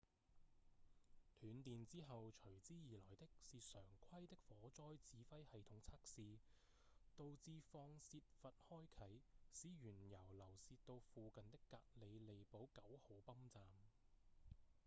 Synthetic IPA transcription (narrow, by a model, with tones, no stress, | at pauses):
t̪ʰyː˨˥nt̪iː˨nt͡siː˥ɦɐ˨wt͡ʃʰɵ˨˩ɥt͡siː˥jiː˨lɔː˨˩jt̪ɪ˥k̚siː˨˧sœː˨˩ŋkʰɐ˥jt̪ɪ˥k̚fɔː˨˥t͡sɔː˥jt͡siː˨˥fɐ˥jhɐ˨jt̪ʰʊ˨˥ŋt͡sʰaː˥k̚siː˨˧ | t̪o˧wt͡siː˧fɔː˧ŋsiː˧t̚fɐ˨t̚hɔː˥jkʰɐ˨˥jsiː˨˥jyː˨˩njɐ˨˩wlɐ˨˩wsiː˧tt̪o˧wfuː˨kɐ˨nt̪ɪ˥kːaː˧k̚le˨˧jle˨jpo˨˥wkɐ˨˥who˨˥wpɐ˥mt͡saː˨m